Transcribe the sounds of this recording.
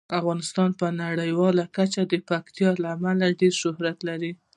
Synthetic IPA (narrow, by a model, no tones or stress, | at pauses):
afɣɑnɪst̪ɑnpənaɽəjwɑlakat͡ʃad̪əpakt̪jɑlaːmalaɖeɾʃʊhɾat̪laɾi